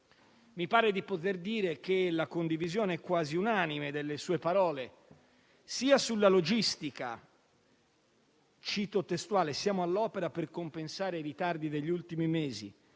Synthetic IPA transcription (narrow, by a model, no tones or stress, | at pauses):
mipaːɾed̪ipot̪̬erd̪iːɾek̟elakond̪ivizjoːneɛkːwaːziunaːnimed̪elːesuːepaɾɔːle | siːasulːalod͡ʒist̪ika̰ | t͡ʃit̪ot̪ːest̪uaːlesjaːmoalːɔːpeɾaperkompensaːɾeiɾit̪ard̪id̪eʎːiult̪imimeːzḭ